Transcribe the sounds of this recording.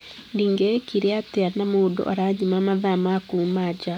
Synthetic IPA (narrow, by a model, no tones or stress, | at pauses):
ndiŋɡekiɾeateanamodo̰ʔaɾaɲimamaðamakuːmad͡ʒa